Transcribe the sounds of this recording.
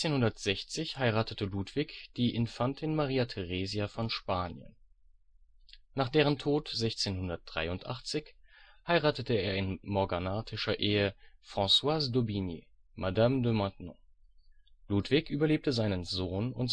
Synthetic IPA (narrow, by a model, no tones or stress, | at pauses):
t͡seːnhʊndɐtz̥ɛçt͡sɪçhaɪʁaːtətəluːtv̥ikd̥iːʔɪnfantʰɪnmaʁiːatʰɛʁeziafɔnʃpaːnjə̰n | naːχd̥eːʁ̞əntʰoːtz̥ɛçt͡seːnhʊndɐt̚d̥ʁa̰ɪʊntʔa̰χt͡sɪçhaɪʁaːtətəeːɐɪnmɔɐɡanaːtʰɪʃɐʔeːəfʁ̥ɑ̃swaːsdobinḭ | madamdəmɑ̃tnɔ̰̃ | luːtv̥ikʔyːbɐleːp̚təzaɪnənzoːnʊ̰nt